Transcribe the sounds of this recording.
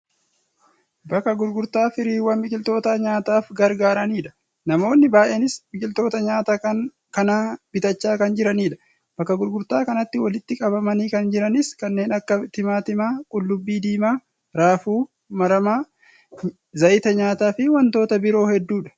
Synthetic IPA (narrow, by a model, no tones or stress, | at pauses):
bɐkːɐɡʊɾɡʊɾt̪aːfɪɾiːwɐnbɪkʼɪlt̪o̞ːt̪aːɲaːt̪aːfɡɐɾɡaːɾɐniːᶑɐ̥ | nɐmo̞ːnːɪbaːʔeːnɪsmɪkʼɪlt̪o̞ːt̪ɐɲaːt̪aːkɐn | kɐnaːb̥ɪt̪ɐt͡ʃːaːkɐnd͡ʒɪɾɐniːᶑɐ̥ | b̥ɐkːɐɡʊɾɡʊɾt̪aːkɐnɐt̪ːɪwɐlɪt̪ːɪkʼɐβɐmɐniːkɐnd͡ʒɪɾɐnɪskɐnːe̞ːnɐkːɐt̪ɪmaːt̪ɪmaːkʼʊlːʊbːiːd̪iːmaː | ɾaːfuː | mɐɾɐmaː | zɐʔɪt̪ɐɲaːt̪aːfɪwɐnt̪o̞ːt̪ɐbɪɾo̞ːhɛd̪ːuːᶑɐ̥